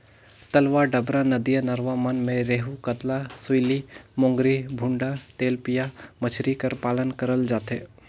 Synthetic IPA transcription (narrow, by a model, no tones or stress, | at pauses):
t̪ɐlʋaːɖəbɾanəd̪ijənəɾʋamənmẽɾeːɦukət̪lasʊilimõːŋɡɾibʱʊ̃ɳɖat̪eːlpijamət͡ʃʰɾikəɾpaːlənkəɾəld͡ʒaːt̪eː